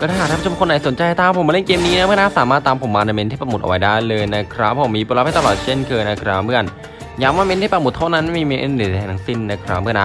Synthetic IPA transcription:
kɔː˥˧˩aː˥˧˨t̪̚ʰa˥˧a˧t͡ɕʰːmkʰo˧nːʔa˨˩jso˩˦nt͡ɕa˧jt̪ʰaː˧˥˩pʰo˨˦maː˧le˥˩nkeː˧mniː˦˥n˧a˦˥mɯ˥˩ɐnaː˥˩saː˨˦maː˥˩t̪ːaː˧mpʰo˩˦mːaː˧na˧me˧nʰi˥˩pɾa˧˩m˨˩t̪̚ʔa̰˧wa˦jdaː˥˩jlɤː˧jna˦˥kʰɾa˦˥pʰːɔ˧˩˦miː˧pu˧laː˧˦˥pa˧˩t̪a˧lɔː˨˩t̪̚t͡ɕe˥˩nkʰɤː˧na˦˧˩kʰɾa˦˥mɯ˥˩ə˨n | jaː˨˩k̚maː˧me˧˥nʰiː˥˩pɾmu˨˩t̪ʰːa˥˩na˦˥nma˥˩miː˧me˧˥ʔe˦˥˩di˨˩˨a˧˩na˦ŋsi˦˥˩nːa˧˦˥kʰɾa˦˥mɯ˥˩ɐ˨na˦˥

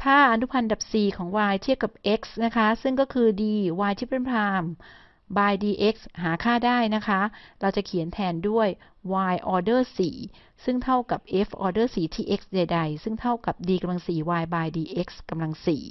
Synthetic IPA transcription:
t̪ʰaː˥˩ʔa˧nu˦˥pʰa˧nda˨˩p̚siː˨˩kʰɔː˩˦ŋwaː˧jt̪ʰi˥˩əwka˨˩p̚ʔe˦˥k̚sna˦˥kʰa˦˥sɯ˥˩ŋkɔː˥˩kʰɯː˧diː˧waː˧jt̪ʰiː˥˩pe˧˩npʰlaː˧m | baː˧jdiː˧ʔe˦˥k̚sɦaː˩˦kʰaː˥˩daː˥˩jna˦˥kʰa˦˥ɾa˧wt͡ɕa˨˩kʰi˨˩˦ənt̪ʰɛː˧ndu˥˩əj | waː˧jʔɔː˧dɤː˥˩siː˨˩ | sɯ˥˩ŋt̪ʰa˥˩wka˨˩p̚ʔe˦˥fʔɔː˧dɤː˥˩siː˨˩t̪ʰiː˥˩ʔe˦˥k̚sda˨˧jda˧jsɯ˥˩ŋt̪ʰa˥˩wka˨˩p̚diː˧ka˧mla˧ŋsiː˨˩waː˧jbaː˧jdiː˧ʔe˦˥k̚ska˧mla˧ŋsḭː˨˩

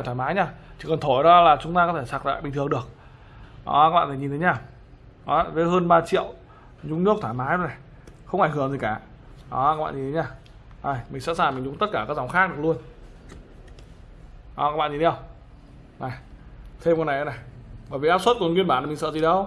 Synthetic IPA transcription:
t̪ʰwaː˧˩maː˨˦jɲaː˧t͡ɕʰi˨˧˩kɔ˨˩nt̪ʰo˧˩jɗɔ˨˦laː˨˩t͡ɕʊ˨˦ŋ͡mt̪aː˧kɔ˨˦t̪ʰe˧˩saː˨˩kza̰ː˧˨jɓḭ˨t̪ʰɨ˨˩əŋɗɨ˨˩ək̚ | ʔɔ̰˨˦aː˦˥ɓa̰ː˧˨˩ɲi˨˩nt̪ʰe˨˦ɲaː˧˩ | ʔɔ˨˦vəː˨˦jɦəː˧nɓaː˧t͡ɕḭ˧˨əw | ɲʊ˨˦ŋ͡mnɨ˦˥ək̚t̪ʰaː˧˩jmaː˨˦jzna˨˩j | xə˧wŋ͡mʔa˧˩ŋ̟ɦɨ˧˩əŋzi˨˩kaː˧˩ | ʔɔ˨˦aː˦˥kɓa̰ː˧˨ɲi˨˩t̪e˨˦ɲaː˧˩ | ʔa˨˩jmï˨˩ŋ̟sɛ̰˧˥saː˨˩ŋmï˨˩ŋ̟zʊ˨˦ŋ͡mt̪ə˦˥t̚kaː˧˩kaː˦k̚za˨˦ŋ͡mxaː˦˥k̚ɗɨ˨˩ək̚lu˧ən | ʔɔ˨˦kaː˦˥ɓa̰ː˧˨ɲi˨t̪ʰjə˧w | na˨˩jt̪ʰe˧mkna˨˩jʔə˨˦na˨˩jɓəː˧˩jvi˨˩ʔaː˦˥p̚swə˦˥t̚kŋwi˧ənɓaː˧˨na˨˩mi˨˩ŋsə̰ː˧˨zi˨˩ɗə˨˧˦w

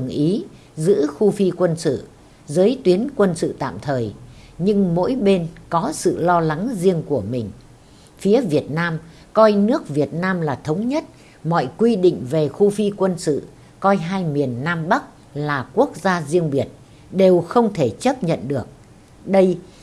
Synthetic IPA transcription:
ɨ˨˩ŋʔi˨˦ | zɨ̰˧˥xu˧fi˧kwə˧nsɨ̰˧˨ | zəː˨˦jt̪wi˨˦ənkwə˧nsɨ̰˧˨t̪a̰ː˧˨mt̪ʰəː˨˩j | ɲɨ˧ŋmo̰˧˥jɓe˧nkɔ˨˦sɨ̰˧˨lɔ˧la˨˦ŋzi˧əŋku˧˩əmï˨˩ŋ̟ | fi˨˦əvi˨˩ət̚naː˧m | kɔ˧jnɨ˦˥ək̚vi˨˩ət̚naː˧mlaː˨˩t̪ʰə˨˦wŋ͡mɲə˦˥t̚ | mɔ̰˧˨jkwi˧ɗḭ˧˨ŋ̟ve˨˩xu˧fi˧kwə˧nsɨ̰˧˨ | kɔ˧jɦaː˧jmi˨˩ənːaː˧mɓa˦˥k̚ | laː˨˩ku˦˥ək̚zaː˧zi˧əŋɓi˨˩ət̚ | ɗe˨˩wxə˧wŋ͡mt̪ʰe˧˩t͡ɕə˦˥p̚ɲə̰˧˨nɗɨ˨˩ək̚ | ɗə˧j

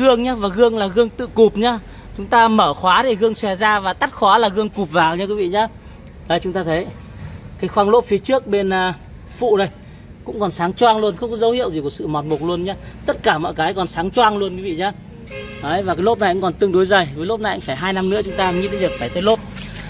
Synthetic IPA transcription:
ɨ˧əŋɲaː˨˦vaː˨˩ɣɨ˧əŋlaː˨˩ɣɨ˧əŋt̪ɨ̰˧˨ku˨˩p̚ɲaː˨˦ | t͡ɕʊ˨˦ŋ͡mt̪aː˧məː˧˩xwaː˨˦ɗe˧˩ɣɨ˧əŋsɛ˧˩zaː˧vaː˨˩t̪a˦˥t̚xwaː˨˦laː˨˩ɣɨ˧əŋku˨˩p̚vaː˨˩wɲaː˨˧˥ki˨˦vḭ˧˨ɲaː˨˦ | ɗəː˨˩t͡ɕʊ˨˦ŋ͡mt̪aː˧t̪ʰə˨˦j | kaː˨˦jxwaː˧ŋlo˦˥p̚fi˨˦ət͡ɕɨ˦˥ək̚ɓe˧nː˧ | fṵ˧˨ɗə˨˧˩j | kʊ̰˧˥ŋ͡mkɔ˨˩nsaː˨˦ŋt͡ɕwaː˧ŋlu˧ənxə˧wŋ͡mkɔ˨˦zə˨˦whḭ˧˨əwzi˨˩ku˧˩sɨ̰˧˨mɔ˨˩t̚mo˨˩t̚lu˧ənɲaː˨˦t̪ə˦˥t̚kaː˧˩mɔ̰˧˨jkaː˨˦jkɔ˨˩nsaː˨˦ŋt͡ɕwaː˧ŋlu˧ənkwi˨˦vḭ˧˨ɲaː˧˦ | ʔəː˨˦jva˨˩kaː˨˦jlo˦˥p̚na˨˩jkʊ̰˧˥ŋkɔ˨˩nt̪ɨ˧ŋɗo˨˦jzə˨˩jvəː˨˦jlo˦˥p̚na˨˩ʔa̰˧˥ŋfaː˧˩jɦaː˧jna˧mnɨ̰˧˥ət͡ɕʊ˨˦ŋ͡mt̪aː˧˨mɲḭ˧˥nɗe˨˦nvi˨˩ək̚faː˧˩jt̪ʰə˨˦jlo˦˥p̚

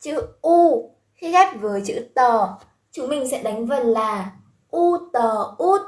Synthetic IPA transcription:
t͡ɕɨ̰˧˥ʔu˧ | xi˧˦xɛ˦˥p̚vəː˨˦jt͡ɕɨ̰˧˥t̪əː˨˩ | t͡ɕʊ˨˦ŋ͡mmï˨˩ŋ̟sɛ̰˧˥ɗa˨˦jŋ̟və˨˩nlaː˨˩ | ʔu˧t̪əː˨˩ʔu˦˥t̚

